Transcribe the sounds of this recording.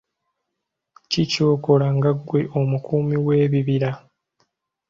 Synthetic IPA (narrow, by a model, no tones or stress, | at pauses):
cico̞ːko̞laŋɡaɡwe̞ʔomukuːmiwe̞ːβiβiɾa